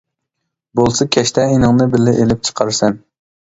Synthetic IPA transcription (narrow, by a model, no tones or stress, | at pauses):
bolˠsɨkʲʰɛʃt̪ɛinɨŋnɨbɪlːɪʔelɪp̚t͡ʃʰə̥qʰɑɾsɛn